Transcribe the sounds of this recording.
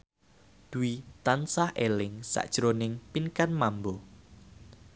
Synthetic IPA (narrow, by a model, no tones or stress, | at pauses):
d̪̥uwit̪ansahʔelɪŋsa̰ʔd̥ʒ̥ɾonɪŋpinkanmambo